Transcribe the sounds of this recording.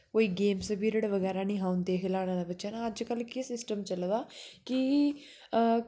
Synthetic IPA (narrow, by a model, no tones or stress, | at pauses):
koːiːɡeːmsəbiːɾəɽʋəɣɛːɾaːnĩːɦãːʊnd̪eːɦʰelaːɽ̃ãd̪abətːʃanaəd͡ʒkəlkɪsɪsʈəmt͡ʃəld̪aːki